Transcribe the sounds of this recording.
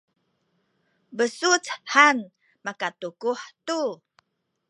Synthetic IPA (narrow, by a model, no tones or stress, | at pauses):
bəsut͡shan | makatukuħt̪u